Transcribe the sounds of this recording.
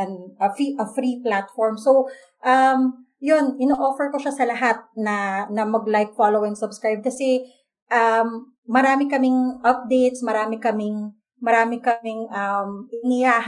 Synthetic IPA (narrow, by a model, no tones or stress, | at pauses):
ɐnɐfiʔɐfɾiplat̪̚fɔɹmsow | ʔɐm | jonʔɪnoʔoːfɛɹkoʃasɐlɐɦat̪̚nɐnɐmɐɡlajk̚falowɪŋsɐbskɹajb̚kɐsɛ | ʔɐmː | ɐɾaːmɪkɐmɪŋʔɐp̚d̪ejt̪̚smɐɾaːmɪkɐmɪŋ | mɐɾaːmɪkɐmɪŋʔɐmʔɪnɪjaːh